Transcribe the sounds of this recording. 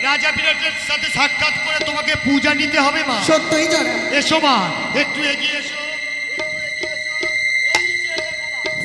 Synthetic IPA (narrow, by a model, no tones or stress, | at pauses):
ɾad͡ʑapiɾeʈeɾʃat̪ʰeʃak̚ʈ̪ʰat̪koɾet̪omakepud͡ʑanit̪eɦɔbemaʃot̪ːoid͡ʑanaeʃoma | ek̚ʈuɦeɡieeʃo | e | e